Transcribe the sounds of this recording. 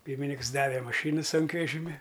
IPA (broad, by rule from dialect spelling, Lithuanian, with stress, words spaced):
ˈpʲiːrʲmʲɪnʲɪks ˈdɑːʋʲɛ mɐˈʃʲiːnʊ ˈsʊŋkʋʲɛʒʲɪmʲɪ